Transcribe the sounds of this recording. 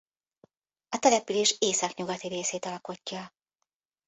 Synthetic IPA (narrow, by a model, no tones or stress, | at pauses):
ɒt̪ɛlɛpyleːʃeːsɒkɲuɡɒt̪iɾeːseːt̪ɒlko̞cːɒ